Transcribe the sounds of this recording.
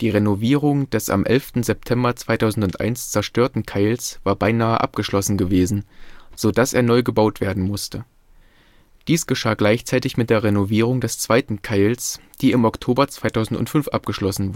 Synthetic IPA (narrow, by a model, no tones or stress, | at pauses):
d̥iːʁenoviːʁʊŋd̥ɛsa̰mʔɛ̰lftn̩zɛp̚tʰɛmbɐt͡sv̥aɪtʰaʊzn̩tʊntʔa̰ɪnst͡sɛɐʃtøːɐtn̩kʰaɪlsv̥aːɐbaɪnaːəʔa̰p̚ɡ̥əʃlɔsn̩ɡəveːzn̩z̥oːdasḛːɐnɔʏɡəbaʊtv̥eːɐdn̩mʊstə | d̥iːsɡ̥əʃaːɡlaɪçt͡saɪtɪçmɪt̚d̥eːɐʁenoviːʁ̞ʊŋdɛst͡sv̥aɪtn̩kʰaɪls | d̥iːɪmɔktʰoːbɐt͡sv̥aɪtʰaʊzn̩tʊ̰ntfʏnfʔa̰p̚ɡ̥əʃlɔsn̩